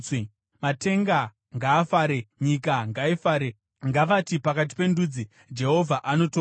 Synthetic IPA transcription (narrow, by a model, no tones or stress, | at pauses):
mate̞ŋɡa | ŋɡaːfaːɾeɲikaŋɡaifaːɾe | ŋɡaʋatipakat̬i̥pe̞nduːd͡zi | d͡ʒe̞ɦo̞vʱaʔano̞to